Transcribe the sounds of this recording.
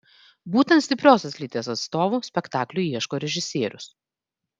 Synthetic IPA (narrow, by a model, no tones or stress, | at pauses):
buːt̪ʲɛ̃nt̪sʲt̪ʲɪpʲɾʲoːsʲoslʲiːˑt̪ʲeːsɐt̪st̪oːʋuːsʲpʲɛkt̪ɑːklʲʊiɛʃkoːɾʲɛʒʲɪsʲeːɾʲʊs